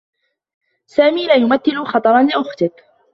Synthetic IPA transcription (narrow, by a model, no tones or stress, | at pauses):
saːmiːlaːjʊmaθːɪlʊxɑt̪ˤɑɾˤɑnlɪʔʊxt̪ɪk